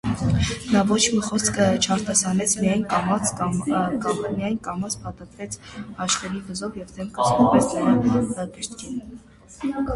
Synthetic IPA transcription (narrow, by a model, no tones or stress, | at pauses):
nɑvɔt͡ʃʰmiχɔskət͡ʃʰɑɾt̪ɑsɑnɛt͡sʰmijɑjnmɑt͡s | mijɑjnkɑmɑt͡sʰpʰɑt̪ɑt̪ɾɛt͡sʰhɑʃχɛɾivəzɔvjɛvd̪ʰɛmkɑsnumpɛsnəɾɑkəɾt̪kʰin